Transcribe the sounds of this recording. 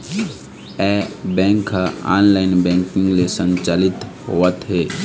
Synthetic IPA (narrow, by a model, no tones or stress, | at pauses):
ɛbɛ̃ːŋkaa̰ːnlaːɪnbɛ̃ːŋkɪ̃ŋɡlesənt͡ʃaːlɪt̪ɦo̰ːət̪ɦeː